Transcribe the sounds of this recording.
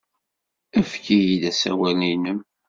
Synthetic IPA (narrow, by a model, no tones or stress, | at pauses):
æfkijid̪æsæ̰wælninəm